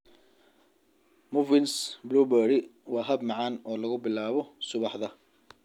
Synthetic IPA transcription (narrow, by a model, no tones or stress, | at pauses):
mʊvɪnsbɾubɛːɽɪwɑːɦɐb̚mɑʕɑːnɔːlɐɣʊbɪlaːβɔsʊβɑħðɐ